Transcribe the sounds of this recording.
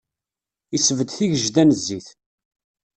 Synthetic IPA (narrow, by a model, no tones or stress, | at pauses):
isəvəd̪θiʝəʒd̪ænəzːiθ